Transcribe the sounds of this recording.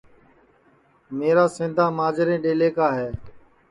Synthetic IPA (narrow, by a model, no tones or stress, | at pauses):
meːɾaːsɪ̃ːd̪ʱaːmaːd͡ʒɪɾẽːɗeːleːkaːɦeː